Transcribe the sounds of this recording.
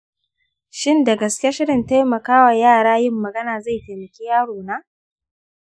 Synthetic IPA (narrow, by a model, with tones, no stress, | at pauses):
ʃɪ˦nda˨ɡɐ˨skʲe˦ʃɪ˦ɽɪ˨nta˦jmɐ˨kaː˦wa˨jaː˦˨ɽaː˦jɪ˦˨mːɐ˨ɡɐ˦naː˨za˦˨ta˨mɐ˨kʲi˦jaː˦ɽoː˨naː˦